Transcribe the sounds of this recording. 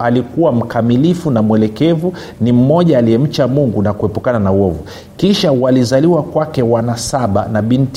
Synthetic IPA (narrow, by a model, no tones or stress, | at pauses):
alikuwam̩kamilifunamwɛlɛkɛvu | nim̩mɔʄaːliɛm̩t͡ʃamuŋɡunakuɛpukananauwɔvu | kiʃawalizaliwakwakɛwanasaɓa̰naɓint